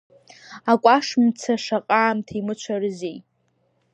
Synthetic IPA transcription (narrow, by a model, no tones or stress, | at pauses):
akʷʼaʂmt͡sʰaʂaqʼaːmtʰimɨt͡ʃʷʰarɨzij